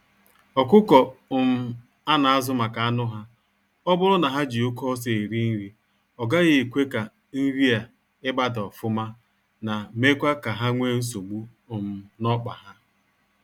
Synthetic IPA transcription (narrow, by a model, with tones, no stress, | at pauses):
ɔ˨kʊ˦kɔ˨ʊ˨m̩˦˨ | a˦na˨a˦zʊ˦ma˨ka˨a˦nʊ˦ɦa˦ | ɔ˦bʊ˦ɾʊ˦na˨ɦa˦d͡ʒi˨o˦kɔ˦se˨i˨ɾi˦n̩˦ɾi˦ | ɔ˨ɡa˦ɣɪ˦˨kʷe˦ka˨ | n̩˦ɾi˦a˨ | ɪ˦ba˦dɔ˨fʊ˦ma˦ | na˨me˦kʷa˦ka˨ɦa˦ŋʷe˦n̩˦s̬o˨ɡ͡bu˦˨ | m̩˨˦nɔ˦k͡pa̰˨ɦa˦